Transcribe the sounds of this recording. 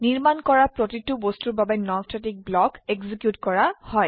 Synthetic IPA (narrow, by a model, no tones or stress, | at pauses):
niɹmankɔɹapɹotitːubostuɹbabɛnɔtʰɹetik̚blɔkeɡzikjutkɔɹahɔj